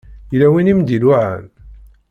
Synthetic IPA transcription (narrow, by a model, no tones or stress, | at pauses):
jlæwinimd̪ilwaʕæ̰n